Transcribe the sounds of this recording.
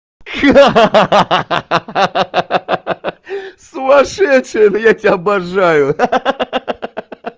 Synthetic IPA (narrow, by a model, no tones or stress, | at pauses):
k | sʊmɐʂɛʂɨjənəjatʲɪaɐbɐʐajʊ